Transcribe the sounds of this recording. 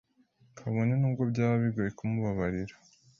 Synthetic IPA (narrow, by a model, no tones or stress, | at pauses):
kʰaβo̞nenuːɡo̞bɟaːβaβiɡoːjekumuβaβaɾiɾḁ